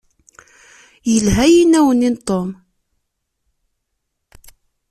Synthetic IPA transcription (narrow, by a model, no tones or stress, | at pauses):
jəlɦæjinæwənint̪ˤom